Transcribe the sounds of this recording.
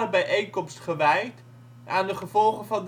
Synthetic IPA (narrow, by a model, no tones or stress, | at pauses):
rbɛjʔejŋkɔmstχəʋɛjt | ʔaːndəχəvɔlˠχənvɑnd